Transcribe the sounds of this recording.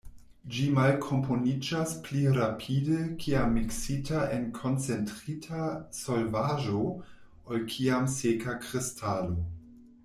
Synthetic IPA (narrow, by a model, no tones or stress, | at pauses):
d͡ʒimalkʰo̞mpʰo̞nid͡ʒaspliɾapʰidekʰiamːiksitaʔenkʰo̞nt͡se̞ntɾitʰasolvaʒo | olkʰiamsekakɾistʰalo̞